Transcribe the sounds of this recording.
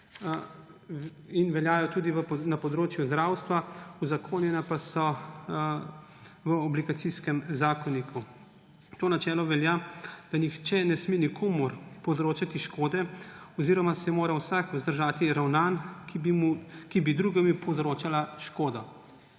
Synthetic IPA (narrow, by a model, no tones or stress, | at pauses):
inʋɛljaːjɔt̪uːd̪iʋənapɔd̪ɾoːt͡ʃjuzd̪ɾaːwst̪ʋauzakʰoːnjɛnapasɔ | ʋəɔbliɡat̪siskɛmzaːkɔnikʰu | t̪oːnat͡ʃɛːlɔʋɛljad̪̥anixt͡ʃɛnɛsmenikʰomɔɾpɔzɾoːt͡ʃat̪iʃkoːd̪ɛɔziːɾɔmasɛmoːɾawsakuzd̪əɾʒaːt̪iɾawnaːnkbimukibid̪ɾuɡɛmipɔzɾoːt͡ʃalaʃkoːd̪ɔ